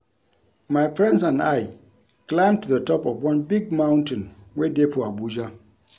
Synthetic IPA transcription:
mãɪfɹɛ̃ndsãna̰ɪ | kʰlãɪ̃mtʰuðətʰɔpɔfwãnbiɡmãʊ̃ntɪ̃nwedepʰʊabud͡ʒa

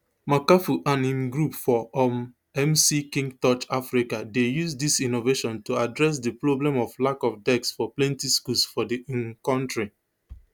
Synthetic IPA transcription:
makafuʔãnĩmɡɹupfɔɔm | ɛmsikĩŋɡtɔt͡ʃafɹikadejusdisĩnoveʃɔ̃ntuadɹɛs̬dipɹoblɛ̃mɔvlakɔfdɛksfɔplɛ̃ntiskusfɔdiĩnkɔ̃ntɹi

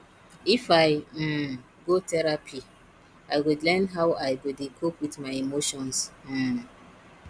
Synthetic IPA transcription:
ifaɪ | ɡotɛɾapʰi | ajwudlɛ̃nɦaʊajwudekʰopwitmaɪemoʃɔ̃ns̩

